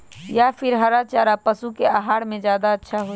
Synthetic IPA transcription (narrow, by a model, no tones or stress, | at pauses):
japʰɪɾɦɐɾat͡ʃaːɾapəsukeaɦaːɽmẽzjaːd̪aətːʃʰaɦo